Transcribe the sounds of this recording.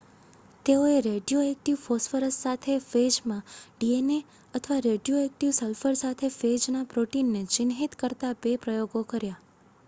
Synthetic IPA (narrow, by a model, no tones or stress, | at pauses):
t̪eoeɾeɖijoɛk̚ʈiʋfosfəɾəssat̪ʰefed͡ʒmãɖiene | ət̪ʰəʋaɾeɖijoɛk̚ʈiʋsəlfəɾsat̪ʰefed͡ʒnapɾoʈinːet͡ʃɪnɦit̪kəɾt̪abepɾəjoɡokəɾja